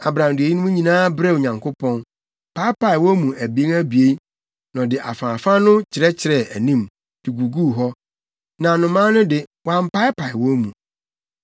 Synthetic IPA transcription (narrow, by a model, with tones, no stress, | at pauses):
a˨bɾã˨m˨dʊ˨e˨ji˦nʊ̃˦mũ˦ɲĩ˨nãː˦bɾɛ˦˨o˨ɲã˨ŋkʰo˦pʰɔ̃˦n | pʰa˦ɪ˦pʰa˨ɪ˨wɔ̃˦mũ˨æ˨bi˨˦ŋæ˦bi˨e˦i˦ | nɔ̃˨dɪ˨ʔa̰˨fã˨fã˦nʊ̃˦t͡ɕʰɪ˨ɾɛ˦t͡ɕʰɪ˨ɾɛ˨æ˨nĩ˦m | d̥ɪ˨ɡu˨ɡu˦˨ɦɔ˦ | nã˨nʊ̃˨mã˦nʊ̃˦dɪ˨wã˦m̩˦pa˦ɪ˦pʰa˨ɪ˨wɔ˦mũ˨